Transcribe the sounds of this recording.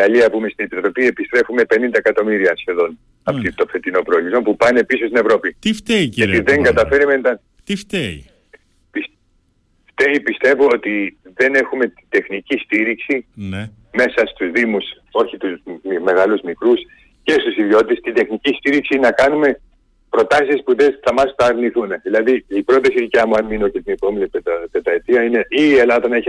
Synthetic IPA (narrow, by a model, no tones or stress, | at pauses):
iɣɐliɐpumest̪ine̞pit̪ɾo̞piepist̪ɾe̞fume̞pe̞nind̪ɐekɐt̪o̞miɾiɐsçe̞ðo̞n | ɐpt̪it̪o̞fe̞t̪ino̞pɾolizompupɐne̞pisost̪ine̞vɾo̞pit̪ift̪eiɐiðe̞ŋɡɐt̪ɐfe̞ɾiment̪ɐ | t̪ift̪eḭ | pis | ft̪eipist̪e̞vo̞ot̪iðe̞ne̞xume̞t̪id̪e̞xnicist̪iɾiksin | me̞sɐst̪uzðimus | o̞çit̪uzme̞ɣɐluzmikɾus | ce̞st̪usiðjo̞t̪t̪est̪id̪e̞xnicist̪iɾiksinɐkɐnume̞ | pɾo̞t̪ɐsispuðeθɐmɐst̪ɐːɾniθuneðilɐðiipɾo̞t̪ɐsiðicɐmuɐnmino̞cest̪inepo̞minipepe̞t̪ɐet̪iɐineʔiːelɐðɐnɐeç